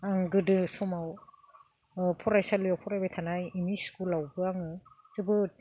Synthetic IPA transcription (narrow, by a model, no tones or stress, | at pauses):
aŋɡɯdɯsɔmaw | pʰɔɾajsalijawpʰɔɾajbajtʰanajimiskulawbɯaŋɯ | zɯbɯt̚